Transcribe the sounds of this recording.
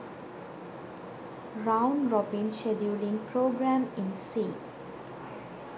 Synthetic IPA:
ɾãʊ̃nɾɔbĩnʃeɖjuɖĩŋpɾoːɡɾæmɪ̃nsiː

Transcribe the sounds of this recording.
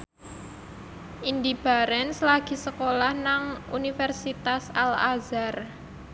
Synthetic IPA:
ʔind̪ib̥a̤ɾɛnslaɡ̥i̤səkolahnaŋṵnifɛrsit̪asalazar

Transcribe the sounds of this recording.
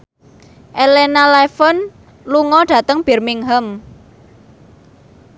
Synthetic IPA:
ʔelenalɛfən | luŋɔɖ̥ä̤t̪əŋb̥ɛ̤rmiŋɦəm

